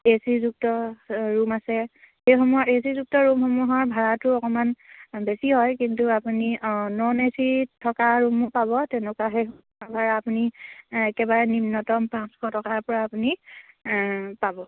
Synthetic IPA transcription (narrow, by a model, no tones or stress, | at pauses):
esizuk̚tɔɹumasɛ | hejxɔmuɔesizuk̚tɔɹumxɔmuɦɔɹbʱaɹatʊɔkɔmanbesiɦɔjkintuapuninɔnesitʰɔkaɹumupabɔtɛnɛkaɦejxɔmuɦɔbʱaɹaːpuniɛkɛbaɹɛnimnɔtɔmpãnskʰɔtɔkaɹpɔɹaːpuni | pabɔ